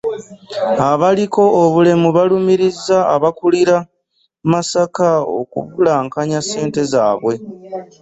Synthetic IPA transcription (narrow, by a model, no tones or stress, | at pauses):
aβaliko̞ːβule̞muβalumiɾiza̰ːβakuliɾa | masakao̰kṵβulaːŋkaɲase̞ːnte̞zaːβwe̞